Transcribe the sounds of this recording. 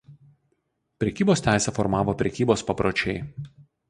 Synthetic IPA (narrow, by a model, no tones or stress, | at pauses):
pʲɾʲɛkʲiːboːst̪ʲæˑɪsʲɛfɔɾmɑːʋoːpʲɾʲɛkʲiːboːspɐpɾot͡ʃʲɛɪ